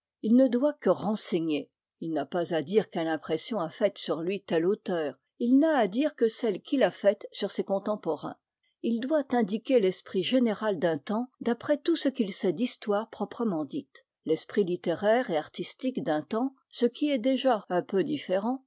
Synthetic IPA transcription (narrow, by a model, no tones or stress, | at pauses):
ilnəd̪wakəʁɑ̃seɲe | ilnapazad̪iʁkɛlɛ̃pχesjɔ̃afɛt̪syʁlɥit̪ɛlot̪œːʁ | ilnaːd̪iʁkəsɛlkʲʰilafɛt̪syʁsekɔ̃t̪ɑ̃pɔʁɛ̰̃ | ild̪wat̪ɛ̃d̪ikʲelɛspχiʒeneʁald̪ɛ̃t̪ɑ̃d̪apχɛt̪usəkilsɛd̪ist̪waːʁpχɔpχəmɑ̃d̪it̪ | lɛspχilit̪eʁɛʁeaʁt̪ist̪ikd̪ɛ̃t̪ɑ̃ | səkʲiɛd̪eʒaɛ̃pød̪ifeʁɑ̃